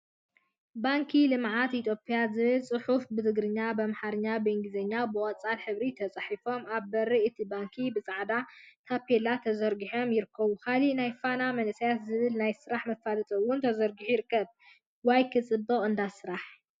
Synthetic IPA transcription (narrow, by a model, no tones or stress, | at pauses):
baŋkʰilɨmʕat̪it̪ʰjo̞pʼijazɨβɨlsʼɨħufbɨzɨɡɾɨɲːabɐmħaɾɨɲːabeŋɡɨzɐɲːabɨwʼɐt͡sʼalħɨβɾit̪ʰɐt͡sʼɐħifo̞maβbɐɾiɨt̪ʰibaŋkʰibɨt͡sʼaʕd̪at̪ʰapʰelat̪ʰɐzɐɾɡiħo̞mjɪɾɨkʰːɐβukʰalinajfanamɐnɨsɐjat̪zɨβɨlnajsɨɾaħmɐfalɐt̪ʼɐwʊnt̪ʰɐzɐɾɡiħujɪɾɨkːɐβ | wajkʰɨt͡sʼɨbːɐχʼɨnd̪asɨɾaħ